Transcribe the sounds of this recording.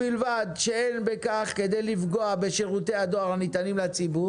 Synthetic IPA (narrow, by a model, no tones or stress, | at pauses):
ilvad̪ʃeenbekaχke̞d̪e̞jlifɡo̞abeʃeʁut̪e̞had̪oaʁanit̪animlat͡sibu